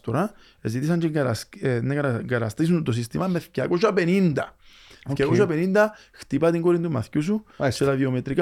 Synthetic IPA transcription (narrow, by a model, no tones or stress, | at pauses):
t̪oɾa | ezit̪isɐɲt͡ʃiɡsnɐkɐŋɡɐɾɐ̰st̪is̬unt̪os̬ist̪imɐmeθcɐkosɐpenind̪ɐ̰ | θjɐkosɐpenind̪ɐxt̪ipɐt̪iŋɡoɾint̪umɐ̰θcususet̪ɐðiomet̪ɾika